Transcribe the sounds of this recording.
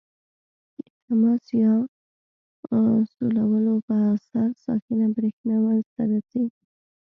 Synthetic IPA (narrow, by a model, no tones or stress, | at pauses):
d̪ət̪amɑsjɑ | solawəlopəasaɾsɑ̰xɪnabɾexnawanzt̪aɾaseɡi